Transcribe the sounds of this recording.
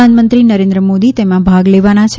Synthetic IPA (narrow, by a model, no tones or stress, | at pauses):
anmənt̪ɾinəɾẽnd̪ɾəmod̪it̪emãbʱaɡleʋanat͡ʃʰ